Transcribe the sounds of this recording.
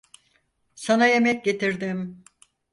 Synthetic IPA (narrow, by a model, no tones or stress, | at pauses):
sanaje̞mɛc̚ɟe̞t̪ʰiɾd̪im